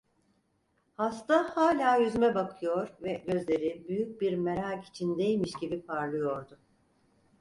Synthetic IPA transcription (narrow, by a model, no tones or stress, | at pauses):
hast̪ʰahaːlʲaːjyzmɛbakʰɯjo̞ɾvɛɟø̞zlʲe̞ɾibyjyc̚biɾme̞ɾaːki̥t͡ʃʰind̪ejilʲmiʃɟibipʰaɾlˠɯjo̞ɾd̪ʊ